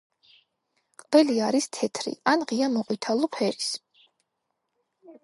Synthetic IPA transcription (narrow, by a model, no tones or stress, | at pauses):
qʼvɛliaɾist̪ʰɛt̪ʰɾḭanʁiamɔqʼit̪ʰalˠɔpʰɛɾis